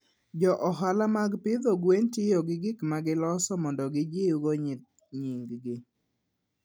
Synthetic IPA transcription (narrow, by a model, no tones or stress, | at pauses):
d͡ʒɔʔɔɦalamaɡpɪd̪ɔɡwentɪjɔɡɪɡɪkmaɡɪlɔsɔmɔndɔɡɪd͡ʒeuɡoɲ | ɲiŋɡɡɪ